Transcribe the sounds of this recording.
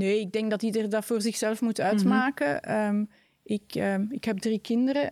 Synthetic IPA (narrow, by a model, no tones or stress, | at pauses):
neːɪɡ̚dɛŋɡdɑtidərədɑtfoːrzɪxsɛlfmutœɥtmaːkəəːm | ʔɪkəɪkɦɛb̚drikɪndərə